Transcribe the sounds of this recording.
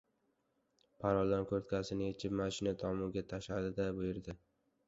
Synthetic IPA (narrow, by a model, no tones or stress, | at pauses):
pʰaɾɒlˠd̪ɒnkʰoɾt̪̚kʲʰasɪnɪet͡ʃʰɪpmaʃɪnat̪ʰɒmʊɡʲat̪ʰaʃlad̪ɪd̪abʊjɪɾd̪ɪ